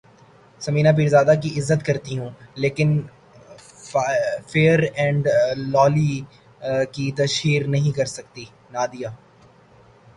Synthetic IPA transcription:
sɐmĩːnap̬iːɾzaːd̪ak̬iɪzːət̪kɐɾt̪iɦũːleːkɪn | feːəɾɛ̃ːɳɖlɔːli | kit̪ɐʃiːɾnɐɦĩkɐɾsɐk̚t̪i | naːd̪ijaː

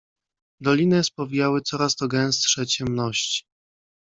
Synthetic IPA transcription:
d̪ɔlʲinɘspɔvʲijawɘt̪sɔɾast̪ɔɡɛ̃w̃st̪ʂɛt͡ɕɛmnɔɕt͡ɕi̥

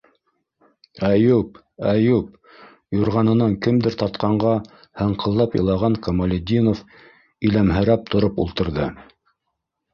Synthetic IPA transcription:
æjup | æjup̚ | juɾʁɑnɤ̆nɑŋkɘmd̪ɘɾt̪ɑt̪qɑɴɢɑ | hɤ̆ɴqɤ̆lˠːɑpjɤ̰̆lˠɑʁɑŋkɐmɐlʲɪd̪ʲinof | ilæmɦɘ̆ɾæp̚t̪ʰŏɾɤpṵlˠt̪ɤ̆ɾðɤ

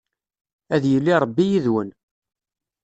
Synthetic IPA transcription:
æðjəlːiɾˤbːijiðwən

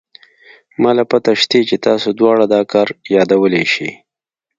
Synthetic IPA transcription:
mɑlapat̪aʃt̪et͡ʃet̪ɑsod̪wɑɽad̪ɑkɑɾjɑd̪awəleʃḭ

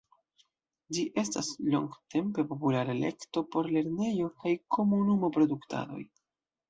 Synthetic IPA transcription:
d͡ʒiʔe̞staslo̞̰ŋɡte̞mpe̞po̞pulaɾele̞̰kto̞po̞ɾle̞ɾne̞jo̞kajkʰo̞munumo̞pɾo̞duktʰa̰do̞̰j

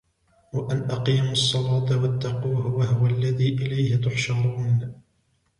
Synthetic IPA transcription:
waʔanʔɑqiːmɑsˤːɑlɑːt̪wat̪ːɑquːhʊwahʊwalːaðiːʔɪlajhɪt̪ʊħʃɑɾˤuːn

